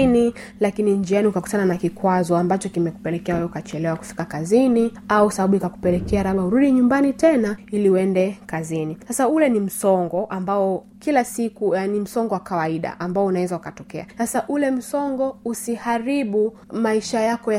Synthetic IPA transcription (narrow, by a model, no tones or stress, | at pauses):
nilakinind͡ʒianiukakutananakikwazɔambat͡ʃɔkimɛku̥pɛlɛkɛawɛjukat͡ʃɛlɛwaku̥fi̥kakazini | ausaɓaɓuikaku̥pɛlɛkʰɛaɾaɓauɾuɗiɲumbanitɛnailiuɛndɛkazinisasaulɛnim̩sɔŋɡɔʔambaɔ | kilasikuanim̩sɔŋɡɔwakawaiɗa̰ʔambaɔunawɛzaukatɔkɛasasaʔulɛm̩sɔŋɡɔusihaɾiɓu | maiʃajakɔja